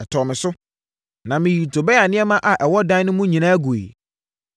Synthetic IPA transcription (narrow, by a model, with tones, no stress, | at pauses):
ɛ˨tʰɔ˨mɪ̃˨sʊ˦ | nã˨mɪ̃˨ji˨tʰo˨bɛ˦a˨nɪ̃˦ɛ˦mã˦ʔa˨ʔɛ˨wɔ˦dã˦nʊ̃˦mũ˦ɲĩ˨nãː˦ɡu˨ḛ˨